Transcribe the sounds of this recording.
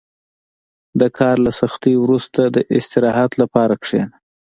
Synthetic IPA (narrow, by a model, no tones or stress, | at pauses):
d̪əkʰɑɾlasaxt̪iwɾust̪ad̪əʔɪst̪ɪɾɑɦat̪lapɑɾakʂḛn